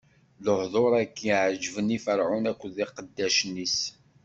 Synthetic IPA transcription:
ləhðˤoɾˤækːiʕʒvənifəɾʕʊnækʷːəðiqəd̪ːæʃənːis

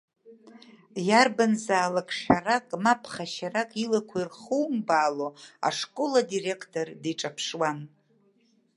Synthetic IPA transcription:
jarbanzaːlakʰʼʂarakʼmapʰχaʃarakʼilakʷʰairχuwmbaːloa̰ʂkʼoladire̞kʰtʼo̞rdiʈ͡ʂʼapʰʂwan

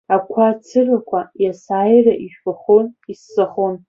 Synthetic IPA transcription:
akʷʰat͡sʰɨrakʷʰajasaːjraʔiʒᶣbaχonisːaχon

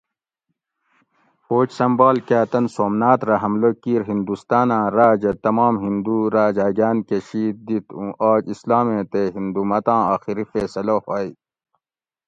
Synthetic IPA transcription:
poːt͡ɕsɐmbaːlkaːt̪ɐnsoːmnaːt̪ɾɐɦɐmlokiːɾɦind̪ust̪aːnãːɾaːd͡ʑɐt̪ɐmaːmɦind̪uɾaːd͡ʑaːɡaːnkeɕiːt̪̚d̪it̪ũʔaːd͡ʒislaːmẽːt̪eɦind̪umɐt̪ãːaːxiɾifesɐlohaːj

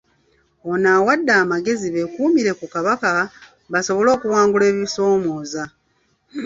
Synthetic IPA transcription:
onaːwadːaːmaɡe̞ziβe̞kuːmiɾe̞kukaβaka | βaso̞βo̞lo̞ːkuwaːŋɡule̞ːβiso̞ːmoːza

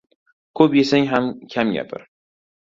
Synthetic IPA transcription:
kʰɵpjesaŋɦamkʲʰamɡʲa̰pʰɪ̰ɾ

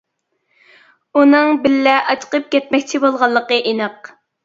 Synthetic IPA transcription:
unɨŋbɪlːɛʔɑt͡ʃʰqəp̚kʲɛt̪̚mɛkʲt͡ʃʰibolˠʁɑlˠːəqəʔenɨq

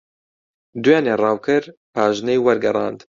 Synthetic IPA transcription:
d̪ujeːneːrɑːwkʰɨɾpʰaːʒnejwɛɾɡɛɾˤɑ̰ːnd̪

